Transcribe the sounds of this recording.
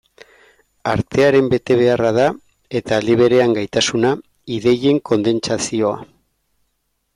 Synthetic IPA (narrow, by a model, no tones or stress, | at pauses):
aɾt̪e̞aɾe̞mbe̞t̪e̞β̞e̞araða | e̞t̪aliβ̞eɾe̞aŋɡajt̪asuna | iðe̞je̞ŋko̞nd̪e̞nt͡sasio̞a̰